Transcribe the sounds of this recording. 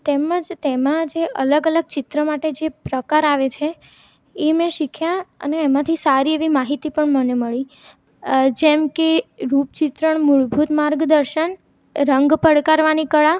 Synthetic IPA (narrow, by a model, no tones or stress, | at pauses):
t̪eməd͡ʒt̪emãd͡ʒeʔə̰ləɡələɡ̚t͡ʃɪt̪ɾəmaʈed͡ʒepɾəkaɾaʋet͡ʃʰe | emɛ̃ʃikʰjaə̰neːmãt̪ʰisaɾieʋimaɦit̪ipəɳməneməɭi | d͡ʒemkeɾup̚t͡ʃɪt̪ɾəɳmuɭbʱut̪maɾɡd̪əɾʃən | ɾəŋɡpəɽkaɾʋanikəɭa